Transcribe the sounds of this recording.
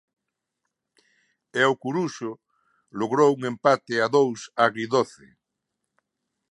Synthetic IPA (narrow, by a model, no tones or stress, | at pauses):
ɛokuɾuʃʊ | loɣɾowuŋempat̪ɪaðowsaɣɾiðoθe